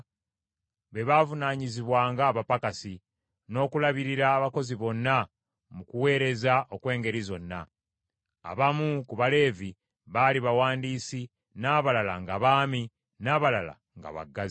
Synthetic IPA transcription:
βe̞βaːvunaɲiziβwaːŋɡaːβapakasi | no̞ːkulaβiɾiɾaːβako̞ziβo̞nːa | mukuwe̞ːɾe̞zaʔo̞kwe̞ːŋɡe̞ɾizo̞nːa̰ | a̰βamukuβale̞ːvi | βaliβawaːndiːsi | naːβalalaŋɡaβaːmi | naːβalala̰ | ŋɡa̰βa̰ɡːazi

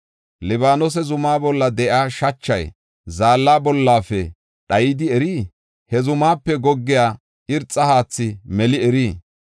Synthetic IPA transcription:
lɪbaːnɔs̬ɛzʊmaːbɔlːɐd̪ɛʔaːʃɐt͡ʃːɐj | zaːlːaːbɔlːaːfɛ | ɗɐjɪd̪ɪɛɾiː | hɛzʊmaːpːɛɡɔɡːɪjaː | ʔɪɾt͡sʼːɐhaːt͡sːɪmɛlɪɛɾiː

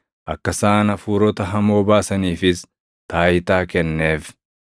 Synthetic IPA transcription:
ʔɐkːɐsaːnɐfuːɾɔt̪ɐɦɐmo̞ːbaːsɐniːfɪs | t̪ʰaːjɪt̪aːkɛnːe̞ːf

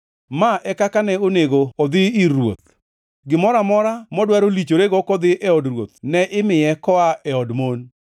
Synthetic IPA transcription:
maʔɛkakanɛoneɡoɔd̪ɪiɾwo̰t̪̚ | ɡɪmɔɾamɔɾamɔdwaɾolit͡ʃoɾeɡɔkɔd̪ɪʔɛɔdrwot̪̚nɛʔɪmɪjɛkɔaʔɛɔdmon

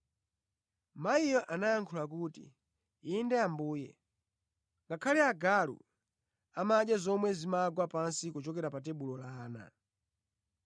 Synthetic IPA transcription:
maijɔʔanaaŋkʰulak̬uːtḭ | indɛambuːjɛ̰ | ŋɡakʰaliaɡalṵ | amaɗazɔmwɛzimaɡwapansikut͡ʃɔkɛɾapatɛɓulɔlaːna̰

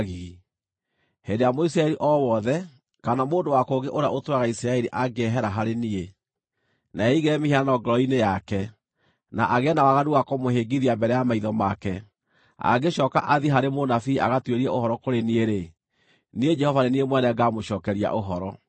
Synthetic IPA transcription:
ɣii | hendejamoisiɾaɛɾiʔɔwɔðɛ | kanamoːndowakoɡeʔoɾeaʔotoaɣaisɾaɛɾiʔaɡeɛɦɛɾaɦaɾenie | naɛiɣɛmehiaanɔɡɔɾɔinejakɛ | naʔaɣɛnawaɣaduakɔmoheːɡiðiambɛɾɛjamaiðɔmakɛ | a̰ɡeɕɔːka̰ʔaðiɦaɾemonafiaɣatweɾiɛʔohɔɾɔkoɾenieɾe | nied͡ʒɛhɔvaneniemwɛnɛɡamoɕɔːkɛɾia̰ʔoɦɔɾɔ

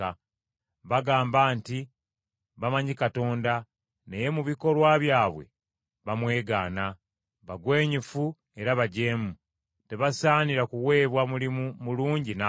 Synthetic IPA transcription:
a | βaɡaːmbaːnti | βamaɲikato̞ːnda | ne̞je̞muβiko̞lwaβjaːβwe̞̰ | βamwe̞ːɡaːna | βaɡwe̞ːɲifu | e̞ɾaβaɟe̞ːmu | te̞βasaːniɾakuwe̞ːβwamulimumuluːɲɟina

